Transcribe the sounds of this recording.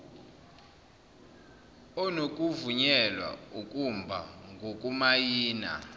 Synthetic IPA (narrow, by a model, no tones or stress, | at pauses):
ɔnokʼuvuɲɛlwa̰ukʼumbʱa̰ŋɡʱokʼumajiːna̰